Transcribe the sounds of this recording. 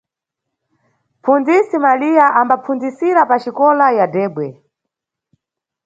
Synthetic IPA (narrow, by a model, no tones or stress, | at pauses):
pʰund͡zisimalijaʔambapʰund͡zisiɾapat͡ʃikɔlajadɛːɓwɛ